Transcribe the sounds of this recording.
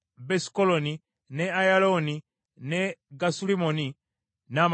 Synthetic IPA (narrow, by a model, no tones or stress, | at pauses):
beskoloni | neajaloni | neɡasulimoni | nam